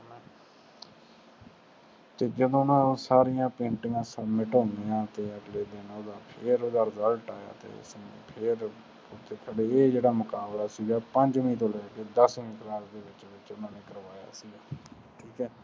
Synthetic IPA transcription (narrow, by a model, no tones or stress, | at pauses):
t̪eːd͡ʒəd̪õːnãːoːsaːɾɪjãːpẽːɳʈɪjãːsəbmɪʈõːnd̪eːãːt̪eːəɡleːd̪eːnoːd̪aːpʰɪɾoːd̪aːɾɪzəlʈaːja̰ːt̪ḛːspʰɪɾ | ʊt̪ʰːeːkʰəɽeːeːd͡ʒeːɽaːmʊkaːblaːsiːɡaːpəɲd͡ʒmĩːt̪õːlɛːkeːd̪əsmĩːk̪əɾaːɾd̪eːʋɪt͡ʃʋɪt͡ʃʊnãːneːkəɾʋaːja̰ːsiːɡaː | ʈʰiːkɛː